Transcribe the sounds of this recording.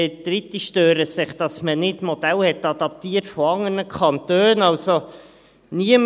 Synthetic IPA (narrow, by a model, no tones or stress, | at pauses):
ɛd̥̪ɾɪtːiʃtøːɾəsɪχd̥ɑsmənɪtmɔd̥̪ɛlhɛt̪ɑd̥̪ɑp̚t̪iːərtfɔɑŋənəkʰχɑnt̪øːnɑlso | niəm